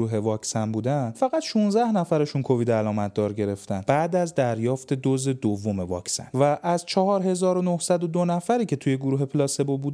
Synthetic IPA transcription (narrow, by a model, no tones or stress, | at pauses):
uːɦe̞vɒːcsænbuːd̪ænfæɣæt̪ʃunzæhnæfæɾe̞ʃunkʰo̞viːd̪ælɒːmæt̪̚ʰd̪ɒːɾɟe̞ɾe̞ft̪ænbæːd̪æzd̪æɾjɒːft̪e̞d̪oze̞d̪ovːo̞me̞vɒ̰ːcsæ̰nvæʔːzt͡ʃʰɒɦɒːɾɦe̞zɒːɾonohsæd̪o̞d̪onæfæɾiːcʰe̞t̪ʰuje̞ɡuɾuːɦepʰlɒːse̞bobuːd̪